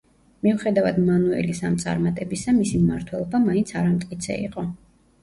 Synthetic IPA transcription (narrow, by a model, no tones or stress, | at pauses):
miuχɛd̪avad̪manuɛ̰lisamt̪sʼa̰ɾmat̪ʼɛbisamisimmaɾt̪ʰwɛlˠɔbamaint̪sʰaɾamt̪ʼkʼit̪sʰɛ̰ḭqʼɔ